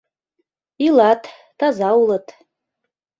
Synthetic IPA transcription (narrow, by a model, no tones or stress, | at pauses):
ilatʰʼ | tʰazawlatʰʼ